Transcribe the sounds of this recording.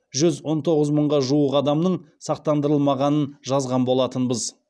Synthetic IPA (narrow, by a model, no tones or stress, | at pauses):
ʒʏzwo̞nt̪ʰo̞ʁəzməɴʁɑʒuəqɑd̪ɑmnəɴ | sɑq̚t̪ɑnd̪əɾəlˠmɑʁɑnənʒɑzʁɑnbo̞lˠɑt̪ənbəz